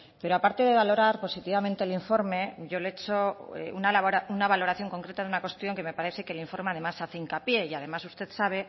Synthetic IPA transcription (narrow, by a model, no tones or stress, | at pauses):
pe̞ɾo̞apaɾt̪e̞ðe̞β̞alo̞ɾaɾpo̞sit̪iβamẽnt̪eliɱfo̞ɾme̞ʝo̞leet͡ʃoḛṵnalβaunaβalo̞ɾaθjo̞ŋko̞ŋkɾe̞t̪aðunakwe̞st̪jo̞ŋke̞me̞paɾe̞θe̞keliɱfo̞ɾme̞að̞e̞masaθeiŋkapje̞iaðe̞masust̪e̞θsaβ̞e̞